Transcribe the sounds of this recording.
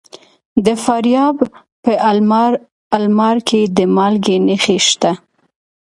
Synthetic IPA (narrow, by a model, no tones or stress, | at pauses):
d̪əfaɾjɑb | pəʔalmɾ | almɑɾkʰed̪əmɑlɡenexeʃt̪a